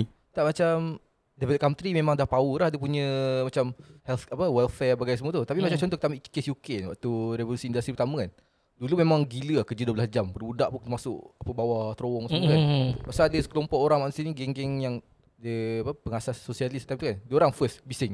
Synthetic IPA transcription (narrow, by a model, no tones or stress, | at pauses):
t̪aʔmat͡ʃam | dɛvɛlt̚kamt̪ɾimẽmãŋdahpaulahdəpuɲə̃mat͡ʃamhɛlt̪apəwɛlfɛrbaɡajsəmuət̪ut̪apimat͡ʃamt͡ʃɔnt̪ɔkt̪amit͡ʃkesjukenwaʔt̪uɾevolusiːndust̪ɾipərt̪aməkan | dulumemaŋɡiləkəd͡ʒəduəbəlasd͡ʒambərbudaʔpunknmasʊʔapəbawat̪ɾowɔŋsmkapaʔsaadəskəlompɔʔoɾaŋmaʔnsiniɡɛŋɡɛŋjaŋ | dəapəpəŋasaːosialist̪ːajmt̪ukandəoɾaŋfəsbisɪŋ